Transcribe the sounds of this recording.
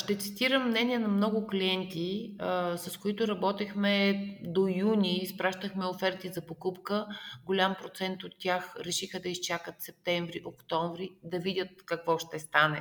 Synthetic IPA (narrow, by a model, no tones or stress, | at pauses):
ʃt̪ɛt̪sit̪iɾəmːnɛnʲiɛnɐmnɔɡʊkliɛnt̪i | sɐskoit̪ʊɾɐbɔt̪ixmɛd̪ojunʲispɾaʃt̪əxmɛofɛɾt̪izɐpokupkəɡolʲampɾot̪sɛnt̪ot̪ːʲaxɾɛʃixəd̪ɐist͡ʃakət̪sɛp̚t̪ɛɱvɾiʔokt̪ɔɱvɾid̪ɐvidʲət̪̚kɐkvɔʃt̪ɛst̪anɛ